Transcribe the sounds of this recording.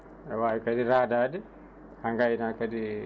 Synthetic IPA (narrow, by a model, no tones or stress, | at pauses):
ɛwajikadiɾaːdaːdɛ | haŋɡajinakadi